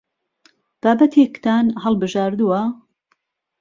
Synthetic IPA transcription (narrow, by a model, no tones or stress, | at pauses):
b̥aːbɐt̪ʰekt̪ʰaːnɦɐlˠbɨʒaːɾd̪uwɐ